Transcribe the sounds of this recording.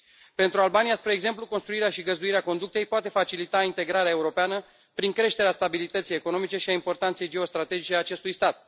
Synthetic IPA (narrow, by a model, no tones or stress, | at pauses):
pe̞nt̪ɾualbanijaspɾe̞ːɡze̞mpluko̞nst̪ɾuiɾeaʃiɡəzd̪uiɾeako̞nd̪ukt̪ejpoat̪e̞fat͡ʃilit̪aint̪e̞ɡɾaɾeae̞uɾo̞peanə | pɾiŋkɾe̞ʃt̪e̞ɾeast̪abilit̪ət̪sije̞ko̞no̞mit͡ʃe̞ʃiaimpo̞rt̪ant̪se̞jd͡ʒe̞o̞st̪ɾat̪e̞d͡ʒit͡ʃe̞at͡ʃe̞st̪ujst̪at̪̚